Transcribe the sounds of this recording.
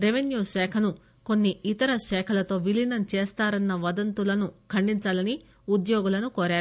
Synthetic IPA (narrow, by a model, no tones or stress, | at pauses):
ɾeʋenjuːʂɛːkʰɐnu | konːiit̪ɐɾɐʃɛːkʰɐlɐt̪o̞ːʋilinɐnt͡ʃeːst̪aːɾɐnːɐʋɐd̪ɐnt̪ulɐnukʰɐɳɖiɲt͡ʃaːlɐni | ud̪joːɡulɐnukoːɾaːɾu